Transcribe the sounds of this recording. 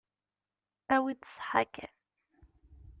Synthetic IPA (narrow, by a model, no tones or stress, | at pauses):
æwit̪ə̥sħa̰kæ̰n